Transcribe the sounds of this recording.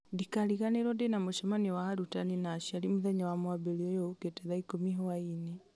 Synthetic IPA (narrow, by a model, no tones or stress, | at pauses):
ndikaliɣaneɾɔndenamoʃɔmaniwahaɾutaninaʃialimuðaɲawamwaβeliɔjɔuketeðaikomiɦowaine